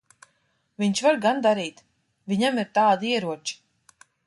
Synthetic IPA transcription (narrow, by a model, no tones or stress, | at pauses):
viɲt͡ʃvaɾɡand̪aɾiːt̪ | viɲamiɾt̪aːd̪iɛɾuɔt͡ʃi̥